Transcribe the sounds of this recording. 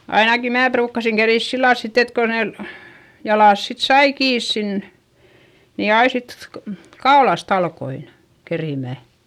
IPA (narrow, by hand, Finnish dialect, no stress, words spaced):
ɑinɑki mæː pruːkːɑsiŋ keriˑs silːɑl sit et ko nen jɑlɑˑs sit sɑi kiːs sin ni ɑi sit ko kɑolɑst ɑlkoin keriˑmæ